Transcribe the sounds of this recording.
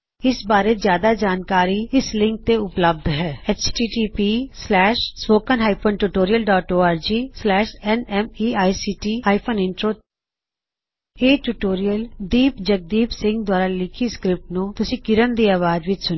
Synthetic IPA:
ɪsbaːɾezjaːd̪ad͡ʒaːnkaːɾiɪslɪ̃ŋk̚t̪eʊpləb̚d̪ɦɛːɛːt͡ʃʈiːʈiːpiːslɛːʃspoːkənɦaːipʰənʈuːʈoːɾijəlɖɔːʈoːaːɾd͡ʒiːslɛːʃɛnɛmiːaːisiːʈiːaːipʰoːnɪɳʈɾoː | eːʈuːʈoːɾijəld̪iːpd͡ʒək̚d̪iːpsɪ̃ŋɡ̚d̪ʊwaːɾalɪkʰiskɾɪp̚ʈnũːt̪ʊsĩːkɪɾənd̪iːaːʋaːd͡ʒʋɪt͡ʃsʊn

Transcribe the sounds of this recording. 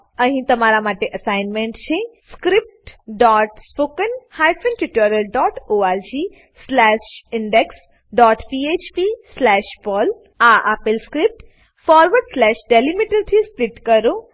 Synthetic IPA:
əɦĩt̪ɐmaɾamaːʈeʔɐsaːɪnmẽɳʈt͡ʃʰeskɾɪp̚ʈɖɔːʈspoːkənhaːjpʰənʈuʈəɾəlɖɔːʈʰoːaɾd͡ʒi | slɛːʃɪɳɖeks | ɖɔːʈpieːt͡ʃpislɛːʃpɔːl | aʔapɪlskɾɪp̚ʈ | fɔːɾʋəɾɖslɛːʃɖelimiʈəɾt̪ʰispɾiʈkəɾo

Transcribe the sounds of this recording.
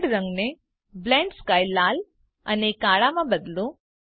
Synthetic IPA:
ɽɾə̃ŋɡne | blɛ̃ːɳɖskaːjlːaːl | ə̰nekːaːɭamãbəd̪lo

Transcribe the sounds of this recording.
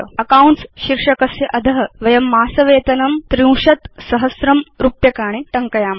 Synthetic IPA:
ɐkauɳʈsɕiɾʂɐkɐsjɐʔɐd̪ʱɐɦɐʋɐjɐmːaːsɐʋeːt̪ɐnɐmt̪ɾĩw̃ʂɐt̪sɐɦɐsɾɐmɾupjɐkaːɽ̃iʈ̪ɐŋkɐjaːm

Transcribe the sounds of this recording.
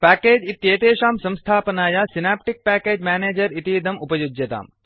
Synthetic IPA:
pæːkeːd͡ʒit̪jeːt̪eːʃaːmsɐ̃mst̪ʰaːpɐnaːjaːsinaːp̚ʈik̚pæːkeːd͡ʒmaːneːd͡ʒɐɾit̪iːd̪ɐmupɐjud͡ʒjɐt̪a̰ːm

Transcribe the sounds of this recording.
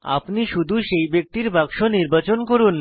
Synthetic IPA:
a̰pniʃud̪ʱuʃejbek̚t̪iɾbaɡʃoniɾbat͡ɕonkoɾun

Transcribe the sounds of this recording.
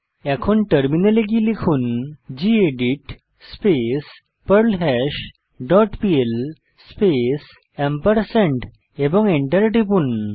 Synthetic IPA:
ɛkʰuːnʈəɾminəleɡilikʰuːnd͡ʑieɖiʈ | spes | pəɾlɦɛɕ | ɖɔʈpiel | spes | empəɾsẽɳʈ | ebɔŋɡeɳʈəɾʈipuːn

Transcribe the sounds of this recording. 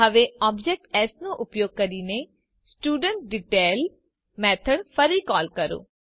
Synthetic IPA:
əʋeɔːbd͡ʒɛːk̚ʈɛːsnũːʔʊpjoːɡ̚kəɾiːne | sʈuːɖəɳʈ̚ɖɪʈeːl | mɛːt̪ʰəɖpʰəɾiːkɔːlkəɾo̰ː

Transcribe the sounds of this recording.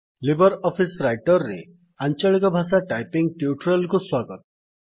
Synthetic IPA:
libɔɾɔpʰisɾajʈɔɾːḛ | ant͡ʃaɭikɔbʱasaʈajpiŋɡ̚ʈiuʈɾɔlkuswaɡɔt̪ɔ̥

